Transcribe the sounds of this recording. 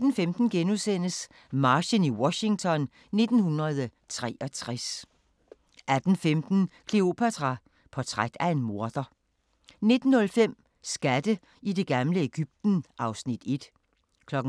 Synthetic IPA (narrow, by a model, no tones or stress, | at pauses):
d̥n̩femd̥n̩ɡ̥enusen̰əs | mɑ̈ːɕəniwɒ̽ɕi̝ŋt͡sʰɒ̽n | ne̝d̥n̩hunʁɐð̞ˠ | t͡sʰʁɛ̰ːɒ̽t͡sʰʁas | ʔæd̥n̩femd̥n̩kʰle̝o̝pʰæt͡sʰʁɑ̈ | pʰɒ̽t͡sʰʁaɡ̥̚d̥æe̝nmo̝ɐd̥ɐ | ne̝d̥n̩hɔ̽lfem̰ | sɡ̥æd̥ə | ide̝ɡ̥ɑmləeɡ̥yb̥̚d̥n̩ʔɑ̈ʊsnid̥e̝d̥ | kʰlɒ̽ɡ̥̩